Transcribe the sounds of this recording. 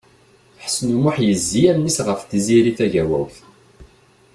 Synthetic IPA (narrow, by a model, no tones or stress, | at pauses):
ħsnumaħjəzːijæmnːisʁəfθiziɾiθæʝæwæ̰wθ